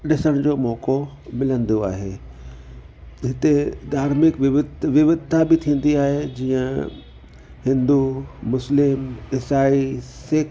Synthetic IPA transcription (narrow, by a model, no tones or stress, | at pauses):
ɗɪsəɽ̃d͡ʑoːmɔːko | mɪlə̃nd̪oa̰ːɦḛː | ɦɪt̪ed̪ʱaːɾmɪkʋɪʋɪt̪ʋɪʋɪd̪t̪ʰːabɪt̪ʰĩːə̃n̆d̪iaːɦed͡ʑiːə̃ | hɪ̃nd̪umʊslɪmɪsaːiseːk